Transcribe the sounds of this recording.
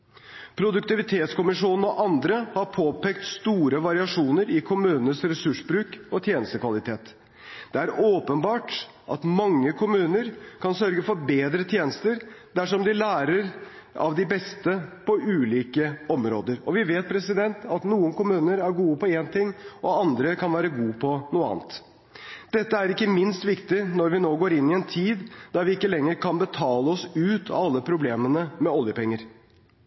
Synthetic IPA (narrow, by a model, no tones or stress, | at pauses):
pʰɾʊd̪ʉkt̪ɪʋɪt̪ʰeːt̪skʊmɪʂuːnn̩ɔʔɑnd̪ɾəhɑɾpʰoːpɛːkt̪st̪uːɾəʋɑɾɪɑʂuːnəɾɪkʰʊmʉːnənəsɾɛsʉʂbɾʉːkɔt̪ʰjeːnəst̪əkʰʋɑlɪt̪ʰeːt̪ | d̪̥ɛæɾoːpənbɑːʈ | ʔɑt̪mɑŋːəkʰʊmʉːnəɾkʰɑnsœɾɡəfɔɾbeːd̪ɾət̪ʰjeːnəst̪əɾd̪æʂɔmd̪ɪlæːɾəɾ | ɑ̰ʋd̪ɪbɛst̪əpʰɔʔʉːliːkəɔmɾo̰ːd̪əɾɔʋɪʋeːt̪̚pʰɾɛsɪd̪ɛnt̪ʰɑt̪nuːənkʊmʉːnəɾæɾɡuːəpɔeːnt̪ɪŋːʔɔɑnd̪ɾəkʰɑnʋæːɾəɡuːpʰɔnuːəɑ̰ːnt̪ | d̪̥ɛt̪ːəæɾɪkːəmɪnst̪ʋɪkt̪ɪnɔɾʋɪnoːɡoːɾɪnːɪɛnt̪ʰiːd̪d̪̥ɑɾʋɪɪkːəlɛŋːəɾkʰɑnbət̪ʰɑːləɔsʉːt̪ʰɑ̰ɑlːəpʰɾʊbleːmənəmɛɔljəpɛŋːəɾ